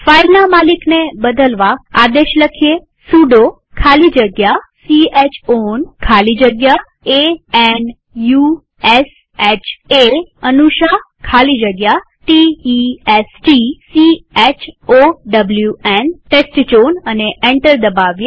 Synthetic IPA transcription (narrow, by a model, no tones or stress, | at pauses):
failnamaliknebəd̪ʱəlʋaad̪eʃləkʰije | suɖo | kʰalid͡ʒəɡjasiet͡ʃʰonkʰalid͡ʒəɡja | eɛn | ju | es | et͡ʃʰeənuʃa | kʰalid͡ʒəɡja | ʈiiesʈisiet͡ʃʰoɖəbljuenʈesʈt͡ʃonəneʔeɳʈəɾd̪əbaʋje